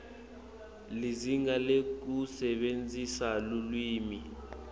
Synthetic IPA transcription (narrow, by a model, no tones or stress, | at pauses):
liziŋalek̬usɛɓend͡zʱisalulwiːmi